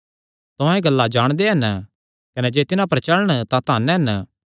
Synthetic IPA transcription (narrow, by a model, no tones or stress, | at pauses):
t̪ʊãẽɡɐlːad͡ʒaːɽ̃d̪eɦɐn | kɐned͡ʒeːt̪ɪnãpɐɾt͡ʃɐɭəɽ̃t̪ãt̪aːnɦɐn